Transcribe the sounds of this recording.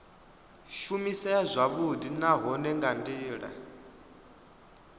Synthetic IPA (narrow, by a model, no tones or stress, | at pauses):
ʃumisɛazʷaβud̪inaɦɔnɛŋɡandiːɺa̰